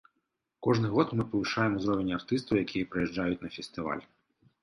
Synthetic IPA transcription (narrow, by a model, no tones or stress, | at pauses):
kɔʒnɪɦɔd̪mɪpɔlˠɪʃɑjemɔzɾɔʋenʲːɐɐrt̪ɪst̪ɐwjɐkʲʰijipɾejɛʒd͡ʒɑjʊt̚ʲnɐfʲest̪ɪʋɑ̰lʲ